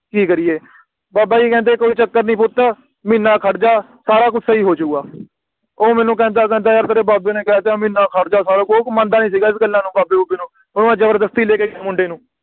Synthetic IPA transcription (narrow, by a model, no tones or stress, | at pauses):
kiːkəɾijeː | baːbaːiːkɛ̃ːnd̪eːkoːiːt͡ʃəkːəɾnĩːpʊt̪ːaː | mɪnːaːkʰəɽd͡ʒaː | saːɾaːkʊsaiːɦoːt͡ʃʊkːɡaː | oːmɛ̃ːnũːk̬ɛ̃ːnd̪aːkɛ̃ːnd̪aːəɾt̪əɾeːbaːbeːneːkɛt̪eãːmɪːnaːkʰəɽd͡ʒaːsaːɾoːkoːkmãːnd̪aːnĩːs̬iːɡaːɪsɡəlːãːnũːbaːbeːʊbeːnũː | ʊñːãːd͡ʒəbəɾd̪əst̪iːleːkeːɡaːmʊ̃ɳɖeːnũː